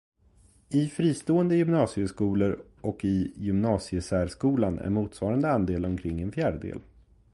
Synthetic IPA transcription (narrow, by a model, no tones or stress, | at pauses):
ɪfɾiːst̪oːənd̪əjʏmnɑːsɪəskuːləɾ | ʔɔkɪjʏmnɑːsɪəsæːɖʂkuːlanæ̰ɾmuːt̪svɑːɾand̪əand̪eːlɔmkʰɾɪŋːɛnfjæːɖəd̪ḛːl